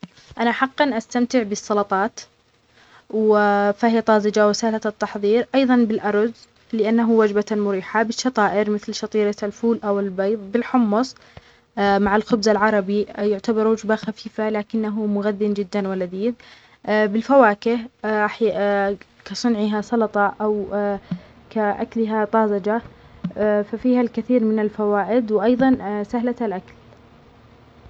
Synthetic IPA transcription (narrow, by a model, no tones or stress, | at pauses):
ʔanaħɑqːɑnʔast̪amt̪ɪʕbɪsˤːɑlɑt̪ˤɑːt̪ | wɪfahɪjːat̪ˤɑːzɪd͡ʒawɪsaːlat̪ːɑħðˤiːɾʔɑjðˤɑnbɪlʔɑɾˤz | lɪʔanːaɦuwad͡ʒbamʊɾiːħabɪʃːɑt̪ˤɑːʔɪɾmɪθlʃɑt̪ˤiːɾalfuːlʔawɪlbɑjðˤbɪlħʊmːʊsˤ | maʕɪlxʊbzalʕɑɾˤɑbijʊʕt̪abɑɾˤwʊd͡ʒbaxafiːfalaːkɪnːaɦumʊɣaðːɪnd͡ʒɪd̪ːanwalad̪iːð | bɪlfawaːkɪhaħ | kasˤʊnʕɪɦasˤɑlɑt̪ˤɑʔaw | kaʔa̰klɪɦat̪ˤɑːzɑd͡ʒa | fafiːhalkɪθiːɾmɪnalfawaːʔɪd̪wʔɑjðˤɑnsahlaalʔakal